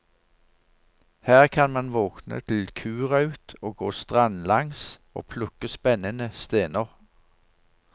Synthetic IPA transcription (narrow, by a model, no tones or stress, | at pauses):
hæːʁkʰɑnmɑnʋɔːknə̰t̪ʰɪlkʰʉːʁɑʉːt̪oːɡoːst̪ʁɑnlɑŋso̰ːpʰlʊkːəspɛnənəst̪eːnəʁ